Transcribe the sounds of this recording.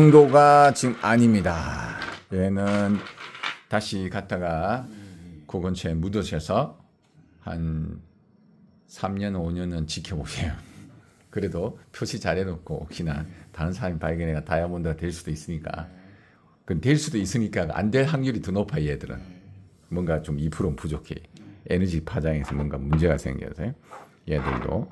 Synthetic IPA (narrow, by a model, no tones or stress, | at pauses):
sʌŋdoɡat͡ɕiɡɯmaɲimɲida | jeenɯn | taɕʰikat̚t͈aɡa | koɡʌnt͡ɕʰemudosʰesʰʌ | ha̰n | sʰamɲʌnoɲʌnɯnt͡ɕikʰjʌboɕʰejo | kɯɾe̞dopʰjoɕʰit͡ɕaɾɦenok͈ʰoʌkɕ͈inataɾɯnsʰaɾamipaɭɡʌneɡatajabondɯɡatwe̞ɭs͈ud̥ois͈ɯɲik͈a̰ | kɯntwe̞ɭs͈udois͈ɯɲik͈aɡʔa̰ndwe̞ɭɦaŋɡjuɾitunopʰajeedɯɾɯ̰n | mwʌnɡat͡ɕomipʰuɾompud͡ʑokʰḛenʌd͡ʑipʰad͡ʑaŋesʰʌmwʌnɡamund͡ʑe̞ɡasʰḛŋɡjʌ̰sʰejojeedɯɭdo̰